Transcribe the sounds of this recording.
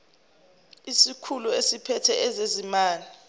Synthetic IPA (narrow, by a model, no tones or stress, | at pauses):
isikʰuluesipʰɛtʰɛʔɛzezimaːli